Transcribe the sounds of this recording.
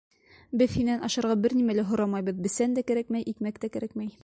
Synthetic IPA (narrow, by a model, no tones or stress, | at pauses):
bɘðhinːænɑʃɑɾʁɑbɘɾnimælæɦŏɾɑmɑjbɤðbɘ̆sænd̪ækæɾækmæjʔikmækt̪ækæɾækmæj